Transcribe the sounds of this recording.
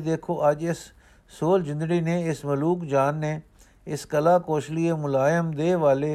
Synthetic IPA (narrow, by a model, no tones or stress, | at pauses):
d̪eːkʰoːʔɐd͡ʒɪsː | oːld͡ʒɪ̃nd̪əɽinẽɪsmɐluːkd͡ʒaːnːe | ɪskəlaːkoːʃliemʊlaːjəmd̪eːʋaːle